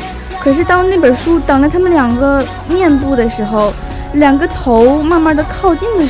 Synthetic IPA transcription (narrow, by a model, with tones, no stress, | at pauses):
kʰɤ˨˩ʂ̬ɻ̩˥˩t̪ɑ˥˧ʊna˥˩ɪpə˨˩ʂu˥t̪ɑ˨˩ŋlə˧t̪ʰa˥mə˨nljɑ˨˩ŋɡə˦ | mjɛ˥˧npu˥˩d̪ə˩ʂɻ̩˧˥xo˥˧ʊ | ljɑ˨˩ŋɡə˦t̪ʰo˧˥ʊma˥˧nma˥˩˥d̪ə˨kʰɑ˥˧ʊt͡ɕi˥˩ŋd̪ə˩